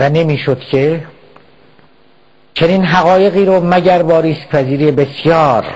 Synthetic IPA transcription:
væne̞miːʃod̪̥cʰe | t͡ʃʰe̞niːnɦæɣɒːje̞ɣiːɾomæɟæɾbɒːɾiːspʰæziːɾijebesjɒːɾ

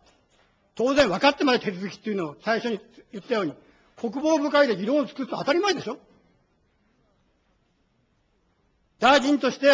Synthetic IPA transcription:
t̪o̞ːzẽɰ̃βakat̪ːemad̪at̪e̞t͡sɨzɨkʲi̥t̪ːejɯ̟no̞ːsaiɕo̞ɲ̟ijɯ̟t̪ːajo̞ːɲ̟i | kʰo̞k̬ɯ̟bo̞ːbɯ̟kaid̪e̞ɡʲiɾõ̞t͡sɨ̥kɯsɨ̥noat̪aɾʲimaid̪e̞ɕo̞ | d̪aid͡ʑĩnt̪o̞ɕi̥t̪e̞

